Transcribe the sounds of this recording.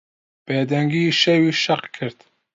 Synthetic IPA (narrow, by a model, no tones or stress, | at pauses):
b̥eːd̪ɛŋɡiʃewiːʃɐqkʰɨɾd̪